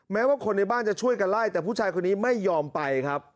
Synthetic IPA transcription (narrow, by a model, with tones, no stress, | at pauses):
mɛː˦˥waː˥˩kʰo˧nːa˧jbaː˥˩nt͡ɕa˨˩t͡ɕʰu˥˩əjka˧nlaː˥˩jt̪ɛː˨˩pʰuː˥˩t͡ɕʰaː˧jkʰo˧nːiː˦˥ma˥˩jːɔː˧mpa˧jkʰɾa˦˥p̚